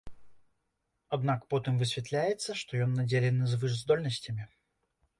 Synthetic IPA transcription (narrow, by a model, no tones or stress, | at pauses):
ɐd̪nakə̥pot̪ɨmvɨsʲvʲɪt̪lʲæjɪt̪səʂt̪ojonːɐdʲelʲɪnːəzvɨzd̪o̞lʲnəsʲtʲɪmʲɪ